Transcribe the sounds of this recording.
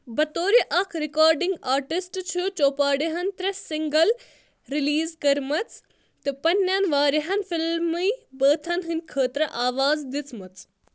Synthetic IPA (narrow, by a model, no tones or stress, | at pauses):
bɐt̪oːɾiʔɐkʰɾikaːɾɖiŋɡaːɾʈisʈt͡ʃʰut͡ʃoːpaːɽiɦɐnt̪ɾɐsiŋɡɐl | ɾiliːzkɐɾmɐt͡s | t̪ɨpɐnʲːjanʋaːɾiɦɐnfilmɨjbəːt̪ʰɐnɦɨnʲkʰəːt̪ɾɐʔaːʋaːzd̪it͡smɐt͡s